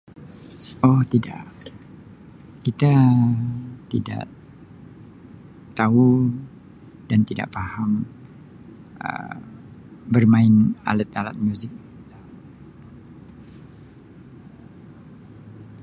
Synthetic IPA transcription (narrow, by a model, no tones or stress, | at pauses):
ɔht̪ida̰ʔ | kit̪a | t̪ida̰ʔ | t̪au | d̥ant̪ida̰ʔfaham | ə̰ | bərmaɪna̰lət̪ala̰t̪̚muzɪk̪̚ | a